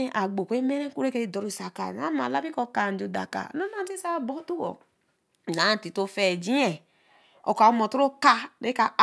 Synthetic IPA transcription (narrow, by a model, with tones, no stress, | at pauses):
e˦ʔa˨ɡ͡bo˨kʷe˦me˦ɾe˦ku˦ɾe˦ke˦i˦˨dɔ˨ɾo˦˨sa˨ka̰˨a˦ma̰˨la˦bi˦kɔ˧ka˨n˨d͡ʒo˨da̰˨ka̰˨no˦na˦n˦ti˦sa˦bɔ˦tu˦wɔ̰˨ | nã˨˦˨ti˨to˦fɛ˨d͡ʒĩ˦ɛ˨ | ɔ̰˨ka˨u˦mɔ˨tu˦ɾo˦ka˦ɾe˨˦ka˦˨